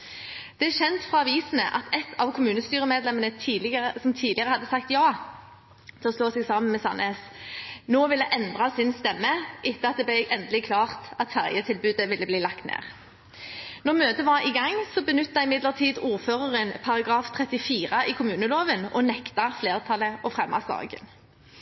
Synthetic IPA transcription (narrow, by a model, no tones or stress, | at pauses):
d̪̥ɛæʃɛnt̪fʁɑɑʋiːsənə̰ʔɑ̰t̪ɛt̪ʰːɑʋkʰʊmʉːnəst̪yːʁəmeːd̪lɛmənət̪ʰiːlɪəsɔmt̪ʰiːd̪lɪəʁəhɑd̪ːəsɑkt̪jɑː | t̪ʰɛlɔsloːsɛɡsɑːmənmeːsɑ̰nʔesnoːʋɪlɛʔɛnd̪ʁɑsɪnst̪ɛmːəʔɪt̪ːəɑt̪̚d̪ɛblɛʔɛnd̪əlɪkʰlɑːʁt̪ɑt̪fæʁjət̪ʰɪlbʉːd̪əʋɪlːəbliːlɑkt̪nḛːʁ | nɔʁmøːt̪əʋɑʁɪɡɑŋsɔbənʏt̪ːɑɪmɪd̪ləʁt̪ʰiːd̪uːʁføːʁəʁənpʰɑʁɑɡʁɑːft̪ʰʁɛt̪ɪfiːʁəʔikʰʊmʉːnəloːʋənɔnɛkt̪ɑfleːʁt̪ʰɑləʔɔfʁɛmːɑ̰sd̪ɑ̰ːɡə̰n